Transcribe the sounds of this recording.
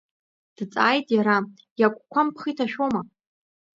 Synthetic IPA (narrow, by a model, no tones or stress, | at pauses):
d̥t͡sʼaːjtʼjaɾa | jakʷʼkʷʰampʰχitʰaʃᶣoma